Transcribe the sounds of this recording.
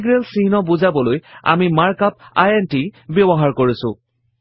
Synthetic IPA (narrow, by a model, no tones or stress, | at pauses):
ɡɹelsinɔbuzabɔloja̰mimaɹkap̚ajentibebɔɦaɹkoɹisʊ̰̃